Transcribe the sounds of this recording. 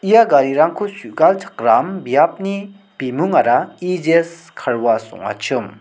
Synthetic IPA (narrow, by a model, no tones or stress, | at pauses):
ijaɡaɾiɾaŋkʰosuʔɡalt͡sʰḁkrambijap̚ni | pimuŋaɾaid͡ʑes | kʰarwaso̰ŋwa̰t͡ɕʰɯm